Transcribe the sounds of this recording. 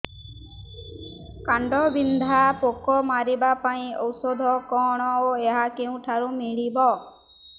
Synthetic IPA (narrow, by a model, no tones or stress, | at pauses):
kaɳɖɔbind̪ʱapokɔmaɾibapaĩɔwsod̪ʱɔkɔɽ̃ɔoeɦakeũʈʰaɾumiɭibɔ